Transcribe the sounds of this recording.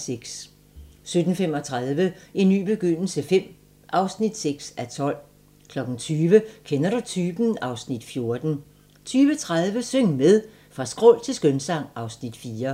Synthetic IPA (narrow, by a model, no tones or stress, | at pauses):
seɡ̥s | sød̥n̩fem̰ɒ̽t͡sʰʁaðˠʋəinːy̰ːb̥e̝ɡ̥øn̰l̩səfem̰ | ʔɑ̈ʊsnid̥seɡ̥sæt͡sʰɒ̽l̰ | kʰlɒ̽ɡ̥ŋ̩t͡sʰyːʋəkʰenɐɾ̥ut͡sʰyːb̥n̩ɑ̈ʊsnid̥fjo̝ɐd̥n̩ | t͡sʰyːʋət͡sʰʁað̞ˠʋəsøŋ̰meðˠ | fʁɑ̈sɡ̥ʁɔl̰t͡sʰe̝lsɡ̥ønsɑ̈ŋ̰ɑ̈ʊsnid̥fiːɐ